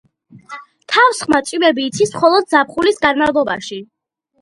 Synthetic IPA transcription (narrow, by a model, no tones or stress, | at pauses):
t̪ʰafsχmat̪t͡ʃ̪ʼivɛbiːt̪sʰismχɔlˠɔd̪̚zap̚χulisɡanmavlˠɔba̰ʃi